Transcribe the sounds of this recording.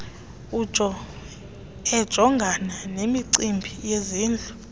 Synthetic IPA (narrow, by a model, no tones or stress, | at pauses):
u̥t͡ʃʼɔ | ɛd̥ʒ̥ʱɔŋɡʱananemiǀimbʱijeziːnd͡ɮʱu